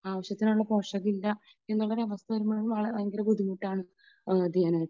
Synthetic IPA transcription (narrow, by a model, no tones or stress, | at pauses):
aːʋɐɕjɐt̪ːinuɭːɐpoːʂɐɣilːɐ | enːuɭɐɾeɐʋɐst̪ʰɐɾumɐɭumaːɭeŋɡɐlekud̪imuʈːaːɳɨ | d̪iːnɐ